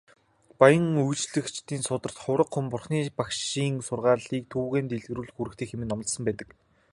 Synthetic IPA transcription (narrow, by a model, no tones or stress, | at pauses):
pajə̆ŋujt͡ɕɮɘ̆kt͡ɕt̪iːnsʊt̪ə̆r̥t̪χʊwɾə̆qχʊ̆mpʊrχniːpakʃiːŋsʊrʁaːɮiːk̚t̪ʰuːɣeːnt̪eɮɣɘ̆ruːɮxuɾɘ̆kt̪ʰeːxemɘ̆nːɔmə̆t̪sɞ̆mpæːt̪ə̆k